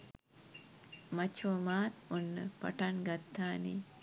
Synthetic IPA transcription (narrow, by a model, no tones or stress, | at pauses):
mat͡ʃuomaːt̪unːə̰pa̰ʈaŋɡat̪ːaːni